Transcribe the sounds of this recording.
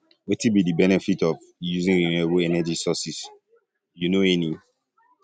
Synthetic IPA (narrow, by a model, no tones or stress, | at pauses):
wɛtibidibɛnɛfitɔv | juzĩŋɹiniboɛnɛd͡ʒisɔsis | junoɛni